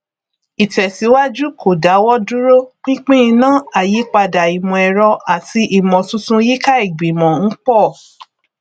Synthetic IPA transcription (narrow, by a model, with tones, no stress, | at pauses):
i˨tɛ˨si˨˦wa˦d͡ʒu˦ko˨da˨˦wɔ˦du˦ɾo˦k͡pĩ˦k͡pĩ˦ĩ˧nãː˦a˦˨ji˨˦k͡pa˧da˨i˨mɔ̃˨ɛ˧ɾɔ˧a˦˨ti˧ʔi˨mɔ̃˨tũ˦tũ˦ji˦ka˦i˦˨ɡ͡bi˨mɔ̃˨n̩˦k͡pɔ˦˨